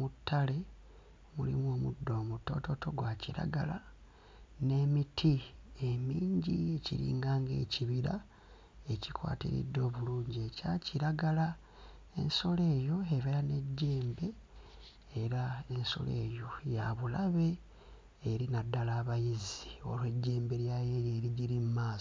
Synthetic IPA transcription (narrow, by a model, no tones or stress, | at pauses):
mutːale̞ | mulḭmuo̞ːmudːo̞ːmutːo̞̰to̞to̞ɡwaciɾa̰ɡa̰la | ne̞mitʰie̞miːɲɟie̞ciɾḭːŋɡaːŋɡe̞̰ːciβiɾa | e̞cikwa̰ːtḭɾḭdːo̞ːβuluːɲɟecaciɾaɡala | e̞̰nso̞le̞ːjo̞eβeɾane̞ɟːe̞ːmbe̞ː | ɾae̞nso̞̰le̞̰ːjo̞jaβulaβe̞ː | ɾinadːalaːβajizio̞̰lwe̞ɟːe̞ːmbe̞ɾjajejeːɾiɟiɾimumaːs